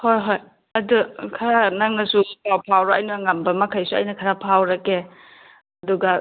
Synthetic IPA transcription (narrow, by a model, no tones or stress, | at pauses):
hojɦoj | ɐdukʰɐɾanaŋnɐsupawpʰawɾaajnuŋɐmbɐmɐkʰɐjsuɐ̰jnɐkʰɐɾapʰawɾɐke | ɐduɡɐ